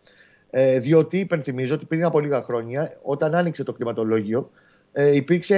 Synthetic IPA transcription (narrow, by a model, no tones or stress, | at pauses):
eðio̞t̪iːpe̞nθimizo̞o̞t̪i̥pɾinɐpoliɣɐxɾo̞ɲɐo̞t̪ɐnɐnikse̞t̪o̞kɾimɐt̪o̞lo̞ʝio̞ | ipiɾkse